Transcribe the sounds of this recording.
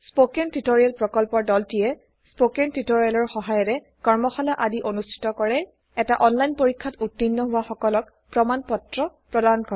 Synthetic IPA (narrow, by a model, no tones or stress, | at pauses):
spokentitoɹijalpɹɔkɔlpɔɹdɔltijɛ | spokentitoɹialɔɹxɔɦajɔɹɛ | kɔɹmɔxɔlaʔadiʔonustʰi̥tɔkɔɹɛ | ɛtaʔɔnlajnpoɹikʰːatutːinːɔɦʊwaxɔkɔlɔk | pɹɔmanpɔtɹɔpɹɔdankɔ